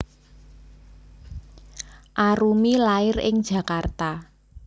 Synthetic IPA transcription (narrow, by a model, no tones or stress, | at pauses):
ʔaɾumilaɪrɪ̰ŋd̥ʒ̥ä̤kart̪a